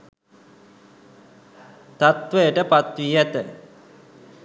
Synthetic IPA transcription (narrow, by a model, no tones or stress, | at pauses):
t̪at̪ʋəjəʈəpat̪ʋiːjɛt̪ə